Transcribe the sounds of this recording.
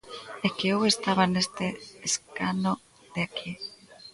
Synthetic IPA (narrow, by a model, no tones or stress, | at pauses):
ekeowest̪aβanest̪eːskano | ðeakʰi